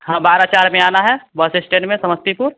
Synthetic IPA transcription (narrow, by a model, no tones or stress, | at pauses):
ɦãːbaːɾat͡ʃaːɾmẽaːnaɦɛbəsɪsʈẽɳʈmẽsɐməst̪ipuːɾ